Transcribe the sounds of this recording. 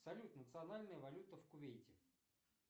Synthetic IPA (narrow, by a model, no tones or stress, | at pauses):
sɐlʲut̪nət̪sɨɐnalʲnəjəvɐlʲut̪əfkʊvʲejtʲɪ